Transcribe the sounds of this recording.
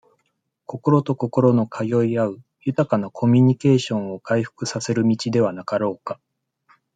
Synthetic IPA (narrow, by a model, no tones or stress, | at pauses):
ko̞ko̞ɾo̞t̪o̞ko̞ko̞ɾo̞no̞kʰajo̞iaɯ̟ | jɯt̪akanakʰo̞mʲiɲ̟ike̞ːɕõ̞ɰ̃o̞kaiɸɯ̟̥kɯ̟sase̞ɾɯ̟mʲit͡ɕid̪e̞β̞anakaɾo̞ːka